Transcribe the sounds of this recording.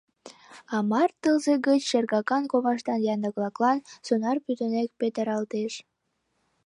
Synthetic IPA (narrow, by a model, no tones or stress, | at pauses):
ɑmɑrt̪əlzeɡət͡ɕʃerɣɑkɑnkoβɑʃt̪ɑnjɑnd̪əɣlˠɑklɑnsonɑrpyt̪ənek̚pet̪əɾɑlt̪eʃ